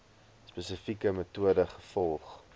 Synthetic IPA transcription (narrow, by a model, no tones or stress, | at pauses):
spəsəfikəmətuədəχəfɔlˠχ